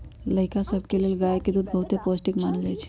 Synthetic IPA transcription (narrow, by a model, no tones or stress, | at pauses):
ləjkasəbʱkeleːlɡajekid̪ud̪̚bəɦut̪eposʈikmanɡajt͡ʃʰi̥